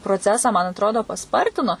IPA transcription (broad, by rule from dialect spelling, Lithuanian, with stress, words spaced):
proːˈt͡sʲæːsɑː mɐn ɐtˈroːdoː pɐˈspɐrʲtʲɪnoː